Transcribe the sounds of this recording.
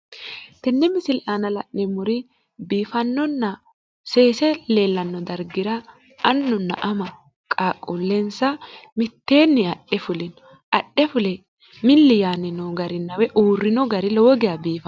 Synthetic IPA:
t̪ɛnːɛmɪsɪlʔaːnɐlɐʔnɪmʊɾɪ | biːfɐnːɔnːɐ | seːsɛle̞ːlːɐnːɔd̪ɐɾɡɪɾɐ | ɐnːʊnːɐ̰ʔɐmɐ | kʼaːkʼːʊlːɛnsɐmɪt̪ːe̞ːnːɪɐɗːɛfʊlɪnɔ | ʔɐɗːɛfʊlɛ | mɪlːɪjaːnɪnoɡɐɾɪnːɐwɛʔuːrːɪnɔɡɐɾɪlɔwɔɡɪɐbiːfɐ

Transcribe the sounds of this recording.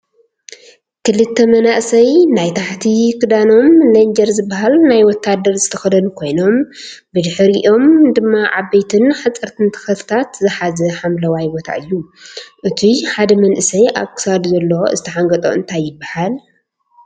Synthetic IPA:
kʰɨlɨt̪ʰːɐmɐnaʔsɐjnajt̪ʰaħt̪ʰikʰɨd̪ano̞mlɐnd͡ʒɐɾzɨbːaɦalnajwɔt̪ʰːad̪ːɐɾzɨt̪ʰɐxɐd̪ɐnkʰo̞jno̞m | bɨd̪ɨħɨɾiʔo̞md̪ɨmːaʕabːɐjt̪ʰɨnħat͡sʼːɨɾt̪ʰɨnt̪ʰɐ̥xɐt̪ʰɨ̥t̪ʰat̪zɨħazɐħamlɐwajbot̪ʰa̰ʔɨjːuʔɨt̪ʰiħad̪ɐmɐnʔɨsɐjʔa̰βkʰɨ̥sad̪zɐlːoɨ̰zɨt̪ʰɐħaŋɡɐt̪ʼo̞̰ʔɨ̰nt̪ʰajːɪbːahal

